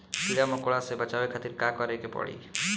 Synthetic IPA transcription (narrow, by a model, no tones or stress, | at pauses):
siɽamokoɭasebat͡ʃabekʰat̪iɾkakɔɾekepɔ̰ɽḭ